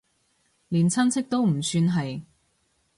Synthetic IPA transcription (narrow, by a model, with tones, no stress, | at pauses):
liː˨˩nt͡sʰɐ˥nt͡sʰɪ˥k̚t̪o˥wm̩˨˩syː˧nɦɐ˨j